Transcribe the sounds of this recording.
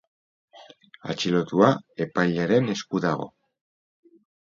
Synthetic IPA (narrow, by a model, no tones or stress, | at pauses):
a̰t͡ʃilo̞t̪uae̞pajʎaɾe̞ne̞skuðaɣo̞̰